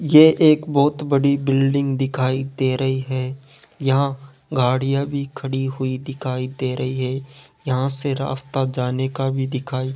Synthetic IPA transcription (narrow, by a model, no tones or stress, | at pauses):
jeʔeːkbɔːt̪bɐɽibɪlɖɪ̃ŋɡd̪ɪkʰaːid̪eːɾɐɦiɦɛː | jɐɦã | ɡʱaːɽijãbʱikʰɐɽiɦʊid̪ɪkʰaːid̪eːɾɐɦiɦɛːjɐɦãseɾa̰ːst̪ad͡ʒaːnekabʱid̪ɪkʰaːi